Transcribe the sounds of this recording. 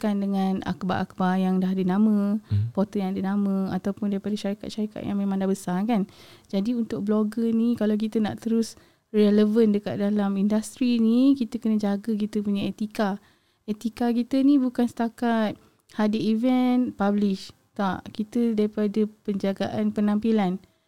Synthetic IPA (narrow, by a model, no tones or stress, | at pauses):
kandəŋana̰kba̰ʔak̚bajaŋdaɦadənamə̃pot̪ɔjãadənamə̃at̪awpʊndaɾipadaʃaɾika̰t̪̚ʃaɾika̰t̪̚jaŋmemãŋdabəsakand͡ʒadiunt̪ʊk̚bloɡənikalawk̬it̪əna̰ʔt̪əɾʊs | rɛləvəndəka̰t̪̚dalamindast̪ɾinikit̪əkənəd͡ʒaɡək̬it̪əpuɲaet̪ika | et̪ikakit̪ənĩbukansə̥t̪akat̪̚ | hadiivɛnpabliʃ | t̪aʔkit̪ədaɾipadəpəɲd͡ʒaɡa̰ʔanpənãmpilan